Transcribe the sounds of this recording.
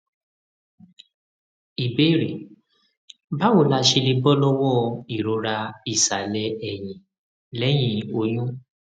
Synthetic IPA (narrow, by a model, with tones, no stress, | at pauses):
i˨be˦˨ɾe˨ | ba˦wo˨˦la˧˦ʃe˧li˧bɔ˦lɔ˦wɔ̃˦˧i˨ɾo˨˧ɾa˧i˦˨sa˨lɛ˧˦ɛ˨j̃ĩ˨ | lɛ˨˦j̃ĩ˧o˧j̃ũ˦